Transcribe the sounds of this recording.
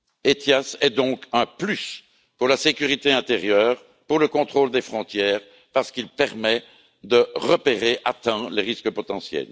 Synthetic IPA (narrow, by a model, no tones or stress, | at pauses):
et̪jasɛd̪ɔ̃kɛ̃plys | puʁlasekʲyʁit̪eɛ̃t̪eʁjœːʁ | puʁləkɔ̃t̪χoːld̪efχɔ̃t̪jɛːʁ | paʁsə̥kilpɛʁmɛ | d̪əʁəpeʁeʔat̪ɛ̃leʁiskəpɔt̪ɑ̃sjɛ̰l